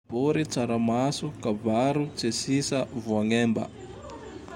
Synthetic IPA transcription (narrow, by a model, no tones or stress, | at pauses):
boɾit͡saɾamasukabaɾut͡sesisəvuaŋembə̰